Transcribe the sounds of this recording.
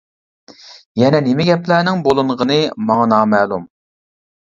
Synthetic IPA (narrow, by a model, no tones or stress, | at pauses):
jɛnɛnemɪɡʲɛplænɪŋbolˠɨɴʁənɨmɑŋɑnɑːmɛːlˠum